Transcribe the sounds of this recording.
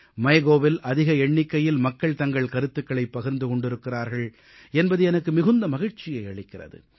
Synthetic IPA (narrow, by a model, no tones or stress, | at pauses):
mɐɪɣoːʋɪlʔɐðɪɣɐɛɳːɪkːɐjɪlmɐkːɐɭt̪ɐŋɡɐɭkɐɾɯt̪ːɯkːɐɭɐɪpːɐɣɪɾnd̪ɯkɔɳɖɪɾɯkːɪraːɾɣɐɭ | ɛnbɐðɯɛnɐkːɯmɪɣɯnd̪ɐmɐɣɪɻt͡ʃɪjɐɪɐɭɪkːɪrɐ̰ðɯ̰